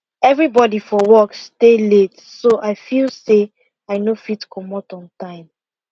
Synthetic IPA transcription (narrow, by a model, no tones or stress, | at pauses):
ɛvɹibɔdifɔwɔkstelet | soʔaɪfilˠse | aɪnofitkʰɔmɔtɔ̃ntãɪ̃m